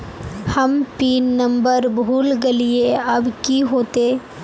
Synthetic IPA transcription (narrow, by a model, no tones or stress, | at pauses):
hɐmpiːnːɐ̃mbəɾbʱuːlɡɐlieɐbkiɦoːt̪eː